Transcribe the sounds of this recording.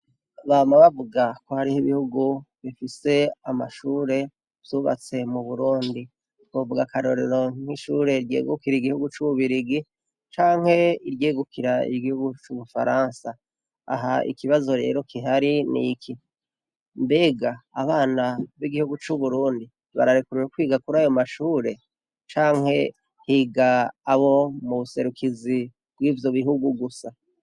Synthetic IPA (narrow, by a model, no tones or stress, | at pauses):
βaːmaβavuɡako̞haɾihiβihuɡuβifise̞amaʃuːɾe̞ | v̥juβa̰t͡se̞muβuɾuːndi | kovuɡakaɾo̞ɾeɾo̞ŋŋ̥iʃuːɾe̞iɾɟḛːɡukiɾiɡihuɡut͡ʃuβuβiɾiɡi | t͡ʃaːŋ̥he̞iɾjeːɡukʰiɾaḭɡihuɡut͡ʃuβufa̰ɾaːnsa | a̰ɦaʔḭkiβazo̞ɾe̞̰ːɾo̞kʰiɦaɾinḭki | mbe̞ɡaːβaːnaβiɡihuɡut͡ʃuβuɾuːndi | βa̰ɾaɾikuɾeɾukwiːɡakuɾaːjo̞maʃuːɾe̞ | t͡ʃaːŋhe̞ | hiːɡaːβo̞muβuse̞ɾukʰizi | b̥wiːvjo̞βiɦuɡuɡusa